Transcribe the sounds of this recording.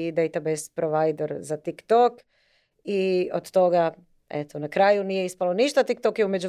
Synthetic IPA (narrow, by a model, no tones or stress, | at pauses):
d̪ejt̪abespɾoʋajd̪o̞ɾzat̪ikt̪ok | iod̪t̪o̞ɡa | ḛt̪ʰonakɾaːjunijeispalo̞niʃt̪at̪ik̚t̪okjeume̞d͡ʒu